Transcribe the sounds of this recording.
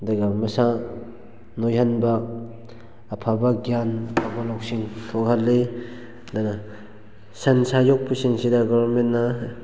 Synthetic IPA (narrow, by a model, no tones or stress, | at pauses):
daɡamɐsa | nojɦanbɐ | pʰabɐɡjanɐpʰabalawk̚siŋtʰokhalːe | d̪ana | sɐnsajok̚pusiŋsidɐɡɔbɐɾmentːa